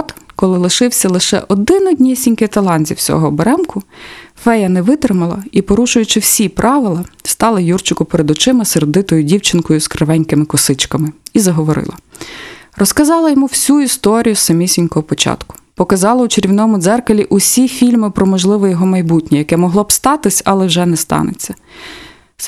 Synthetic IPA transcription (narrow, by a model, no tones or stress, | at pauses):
t̪kɔlˠɪlˠɪʃɪwsʲɐlˠɪʃɛ̰ʔɔd̪ɪnɔdʲnʲisʲinʲkɪt̪ɐlˠɑnʲzʲḭwsʲɔ̰ɦɔːbeɾɛmkʊfɛjɐnɛʋɪt̪ɾɪmɐlˠɐ̰ipɔɾuʃʊjʊt͡ʃɪwsʲipɾʔɑʋɪlˠɐst̪ɑlˠɐjurt͡ʃʊkʊpeɾed̪ɔt͡ʃɪmɐserd̪ɪt̪ɔjʊdʲiwt͡ʃɪnkɔjʊskɾɐʋɛnʲkɪmɪkɔsɪt͡ʃkɐmɪizɐɦɔʋɔɾɪ̰lˠɐ̰ | rʔɔskɐzɑlˠɐjɔmuwsʲuist̪ɔɾʲijʊsɐmʲisʲinʲkɔɦɔpɔt͡ʃɑ̰t̪kʊ̥pɔkɐzɑlˠɐʊt͡ʃeɾʲiwnɔmʊd̪zɛrkɐlʲiʔʊsʲifʲilʲmɪpɾɔmɔʒlˠɪʋɔjɔɦɔmɐjbutʲnʲijɐkɛmɔɦlˠɔbst̪ɑt̪ɪsʲɐlˠɛwʒɛnɛst̪ɑ̰nɪ̰t͡sʲːɐ